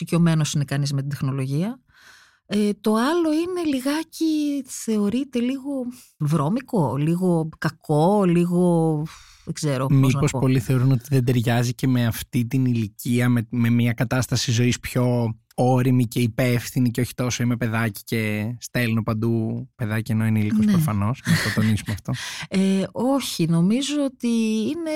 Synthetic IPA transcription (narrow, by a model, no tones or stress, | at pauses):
icio̞me̞nosine̞kɐnizme̞t̪id̪exno̞lo̞ʝiɐ | et̪o̞ɐlo̞ine̞liɣɐciθe̞o̞ɾit̪e̞liɣo̞ | vɾo̞miko̞liɣo̞kɐko̞liɣo̞ | ðeɡzeɾommipo̞spo̞liθe̞oɾuno̞t̪iðed̪e̞ɾʝɐzice̞me̞ɐft̪it̪iniliciɐmeme̞miɐkɐt̪ɐst̪ɐsizo̞ispço̞ | oɾimice̞ipefθiniceo̞çi̥t̪o̞so̞imepe̞ðɐci̥ce̞st̪e̞linopɐnd̪upe̞ðɐcieno̞ineilikosnɾofɐno̞snɐt̪ot̪onisumeɐft̪o̞eoçino̞mizoot̪iine̞